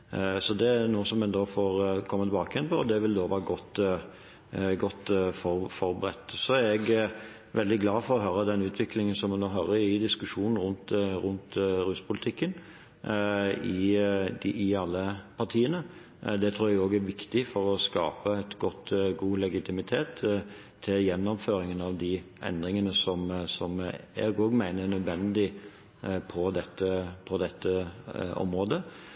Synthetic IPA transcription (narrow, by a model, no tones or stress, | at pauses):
sɔd̪ɛnuːsɔmːɛnd̪oːfoːɾkʰɔmːət̪ɛbɑːkəɛnpʰɔd̪ɛʋɪld̪oːʋæːɾəɡɔt̪ː | ɡɔt̪ːfɔfɔɾbəɾɛ̰t̪ːsɔæɾɛɡ | ʋɛld̪ɪɡlɑːfɔɾɔɦøːɾəd̪ɛnʉːt̪ʰʋɪklɪŋənsɔmːɛnːoːɦɑːɾəɪd̪ɪskʉʂuːnn̩ɾʊnt̪ɾʉnt̪ɾʉːspʰʊlɪt̪ʰɪkːən | ɪ | ɪɑlːəpʰɑɾt̪ʰiːənə | d̪ɛt̪ʰɾuːɾjæɡoːɡæɾʋɪkt̪ɪfɔɾɔskɑ̰ːpəæɪt̪ɡɔt̪ːɡuːlɛɡɪt̪ʰɪmɪt̪ʰeːt̪ʰː | ɪljɛnːɔmføːɾɪŋənɑʋd̪ɪʔɛ̰nd̪ɾɪŋənəsɔmsɔmæ̰ɡoːɡmæɪnənœd̪ʋɛnd̪ɪ | pʰɔd̪ɛt̪ːəpʰɔd̪ɛt̪ːəɔ̰mɾoːd̪ə